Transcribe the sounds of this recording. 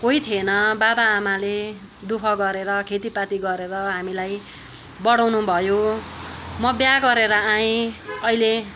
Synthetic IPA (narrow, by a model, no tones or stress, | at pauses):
koit̪ʰienʌbabaːmale | d̪ukʰʌɡʌɾeɾʌkʰet̪ipat̪iɡʌɾeɾʌɦamilaj | bʌɽawnubʱʌjo | mʌbjaɡʌɾeɾʌãjĩʌɦile